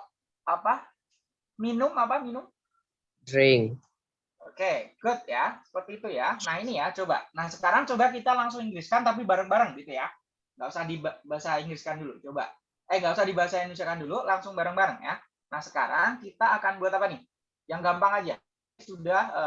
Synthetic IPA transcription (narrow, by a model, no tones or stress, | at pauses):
apa | minʊmapaminʊm | dɾɪŋ | okeɡʊt̪̚jasə̥pərt̪iːt̪ujanaɦinijat͡ʃoba̰nahsəkaɾaŋt͡ʃobak̬it̪alaŋsʊŋiŋɡɾɪskant̪ap̬ibaɾəŋbaɾəŋɡit̪uja | ŋɡausahdibabaɦasaiŋɡɾɪskandulut͡ʃoba̰ | ʔəŋɡausahdibaɦasaindnus̬iakandululaŋsʊŋbaɾəŋbaɾəŋja̰ | nahsə̥ka̰ɾaŋkit̪aːkanbuat̪apanɪh | jaŋɡampaŋad͡ʒa | sudahə